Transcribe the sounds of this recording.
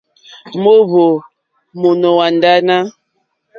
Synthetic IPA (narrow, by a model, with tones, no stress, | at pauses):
mo˦βo˨ | mo˨no˨wa˨nda˦na˦